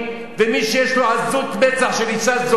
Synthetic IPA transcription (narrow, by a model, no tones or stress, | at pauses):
vemiʃejeʃloazut̪met͡saχʃelit͡saz